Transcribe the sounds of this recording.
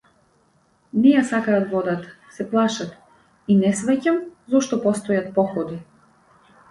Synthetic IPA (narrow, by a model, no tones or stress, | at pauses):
nɛjasakaːt̪vɔd̪at̪ | sɛplˠaʃat̪ | inɛsvɛcamzɔʃt̪ɔpɔst̪ɔjat̪̚pɔxɔd̪i